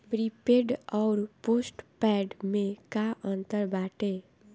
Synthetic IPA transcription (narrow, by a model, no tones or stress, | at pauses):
pɾipeːɖɔːɾpoːsʈpɛːɖmẽkaʔə̃nt̪əɾbaːʈeː